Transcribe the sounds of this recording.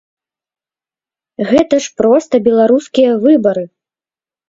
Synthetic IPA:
ɣɛt̪ɐʂpɾɔst̪ɐbʲɛlˠaɾuskʲijɐvɨbɐɾɨ

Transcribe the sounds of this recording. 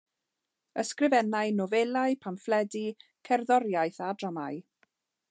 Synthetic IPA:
əskrɪvɛnaɨnɔvɛlˠaɨpʰamflɛdi | kʰɛrðɔɾjajθadramaɨ

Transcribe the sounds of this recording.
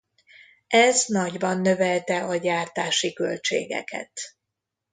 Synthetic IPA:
ʔɛznɒɟbɒnːø̞vɛlt̪ɛɒɟaːrt̪aːʃikø̞lt͡ʃḛːɡɛ̰kʰɛ̰t̪

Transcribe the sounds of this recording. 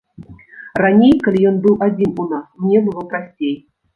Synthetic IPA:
ranʲejkɐlʲijɔnbɨlˠʔad͡zʲinunasmnʲɛbɨlˠɔpɾasʲt͡sʲej

